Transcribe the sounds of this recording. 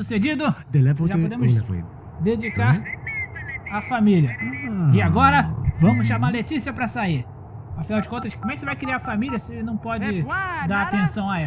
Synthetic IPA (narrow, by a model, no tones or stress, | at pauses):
sused͡ʒid̪ʊd̪elɛoʒapod̪ẽmʊzfo̰ | d̪ed͡ʒikaɾ | afamiljɐɪaɡɔɾɐvɐ̃mʊsʃamaɾlet͡ʃisiɐpɾɐsaiɾ | afinawd͡ʒɪkõnt̪ɐskomɛkɪ̥sevajkɾiaɾfamiljɐsenɐ̃w̃pɔd͡ʒɪd̪aɾat̪ẽsɐ̃w̃aɛ